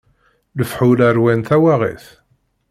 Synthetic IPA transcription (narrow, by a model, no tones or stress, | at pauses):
ləfħulæɾwænθæwaʁḭθ